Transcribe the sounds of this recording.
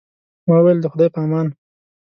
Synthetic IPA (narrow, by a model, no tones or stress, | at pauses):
mawweld̪əxʊd̪ɑjpamɑn